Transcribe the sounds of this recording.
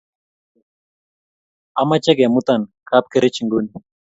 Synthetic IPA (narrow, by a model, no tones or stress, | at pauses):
amat͡ʃɛɡɛmut̪ankap̚keɾit͡ʃiŋɡuni